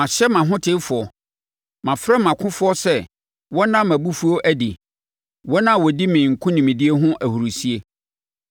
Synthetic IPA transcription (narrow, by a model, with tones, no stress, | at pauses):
mã˨ɕɛ˦mã˨ɦʊ̃˦tʰɪ˦fʊ˨ɔ˨ | mã˨fɾɛ˦mã˨kʰʊ̃˦fʊ˦ɔ˦sɛ˦˨ | wɔ˦nã˦mːæ̃˨bu˦fu˦o˦ʔæ˨di˨ | wɔ˦nã˦wɔ˨di˦mɪ̃˨ŋ̩˨kʰʊ̃˦nĩ˨mĩ˨di˦e˦ɦʊ̃˦ʔæ˨hu˨ɾu˨si˦e˦